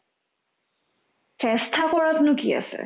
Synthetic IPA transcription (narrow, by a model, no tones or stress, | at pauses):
fʰɛst̪ʰakɔɹat̪nukia̰sɛ̰